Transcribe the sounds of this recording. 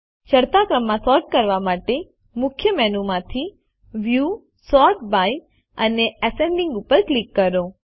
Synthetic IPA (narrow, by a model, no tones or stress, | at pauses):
t͡ʃəɾt̪akɾəmːãsɔɾʈ̚kəɾʋamaʈe | mʊkʰjəmɛnumãt̪ʰi | ʋju | sɔɾʈ̚baj | əneəseɳlĩŋɡupəɾklikːəɾo